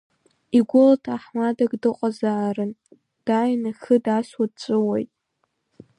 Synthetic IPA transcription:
iɡʷʊlatʰaħmadaɡʼdɨqʷʼazaːrɨn | d̥aɥnaxɨdaswadt͡sʷʼɨwejtʼ

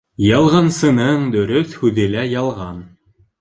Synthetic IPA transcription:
jɑlˠʁɑnsɤ̆nɤɴd̪ɵ̆ɾɵθhʉðɘ̆læjɑlˠʁɑn

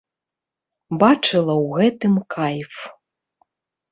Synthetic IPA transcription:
bat͡ʂɨlˠɐwɣɛt̪ɨmkʰajf

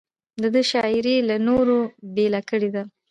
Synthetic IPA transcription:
d̪əd̪əʃɑɪɾelanoɾobelakəɽed̪a

